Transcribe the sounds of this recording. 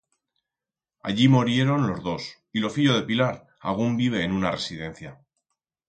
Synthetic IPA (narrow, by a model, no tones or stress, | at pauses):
a̰ʎimoɾje̞ɾo̞nlo̞zðo̞s | ilo̞fiʎo̞ð̞e̞pilaɾ | a̰ɣ̞umbiβ̞e̞ːnunare̞sið̞e̞n̟θja